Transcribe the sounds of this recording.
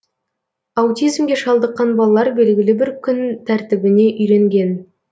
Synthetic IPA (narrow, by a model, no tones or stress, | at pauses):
ɑwt̪ijzmɡʲe̞ʃɑlˠd̪əqːɑnbɑlˠɑlˠɑɾbe̞lɡʲɪlɪbɪɾkʲʰʏnt̪ʰæɾt̪ɪbɪne̞ʔʏjɾe̞ŋɡʲe̞n